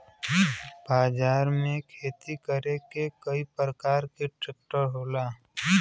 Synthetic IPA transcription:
baːd͡ʒaːɾmẽkʰeːt̪ikəɾekekəipɾəkaːɾkeʈɾek̚ʈəɾɦoːlaː

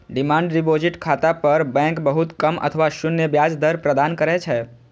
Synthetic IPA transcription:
ɖimãɳɖɾibod͡ʒiʈkʰat̪apəɾbɛ̃ŋkbəɦut̪kəmə̰t̪ʰəʋaʃunːjəbjad͡ʒd̪əɾpɾəd̪ankəɾɛt͡ʃʰɛ

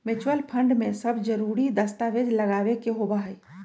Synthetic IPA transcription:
mɪt͡ʃwəlpʰə̃ɳɖmẽsəbd͡ʒəɾuɾid̪əst̪aʋed͡ʒləɡaːʋekeɦobaɦəi

